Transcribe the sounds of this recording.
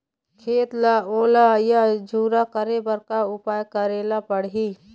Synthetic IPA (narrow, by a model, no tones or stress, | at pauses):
kʰeːt̪laoːlajad͡ʒuːɾakəɾebəɾkaʊpaːjkəɾeːlapəɽɦi